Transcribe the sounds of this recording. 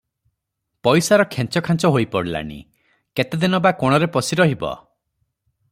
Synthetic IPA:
pɔjsaɾɔkʰent͡ʃɔkʰant͡ʃɔɦojpɔɽila̰ɽ̃ḭ | ket̪ed̪inɔbakɔɽ̃ɔɾepɔsiɾɔɦibɔ̰

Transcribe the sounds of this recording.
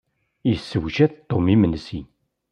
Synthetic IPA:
jəsːəwʒæθt̪ˤːomimənsin

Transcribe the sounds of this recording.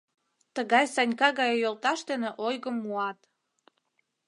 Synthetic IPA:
t̪əɣɑjsɑnʲkɑɣɑjojolt̪ɑʃd̪eneʔojɣəmːuɑt̪

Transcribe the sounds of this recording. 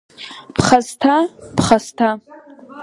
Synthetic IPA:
pʰχaztʰapχastʰa

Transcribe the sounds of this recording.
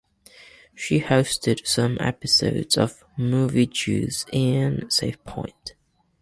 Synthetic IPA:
ʃihəʊstʰɪd̥sʌ̃mʔɛ̰pɪso̰ʊdz̥ə̰v̥ | muːvid͡ʒʰʉ̰ːz̥ɪ̃nseɪfpʰɔ̰̃ɪ̃nt

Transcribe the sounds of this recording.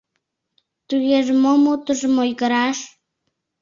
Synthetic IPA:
t̪ujeʒmomut̪əʒmojɣəɾaʃ

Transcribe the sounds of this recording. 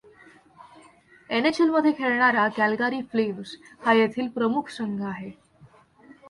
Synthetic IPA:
enet͡ɕilməd̪ʱːjekʰeɭɳaɾakælɡaɾiːfleʋs | hajet̪ʰiːlpɾəmukʰsəŋɡʱəaɦe

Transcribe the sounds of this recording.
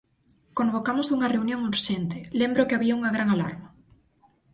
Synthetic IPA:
kõmbokamozuŋɐreunjõŋuɾʃent̪ɪlembɾokɪaβiauŋɐɣɾaŋala̰ɾnɐ

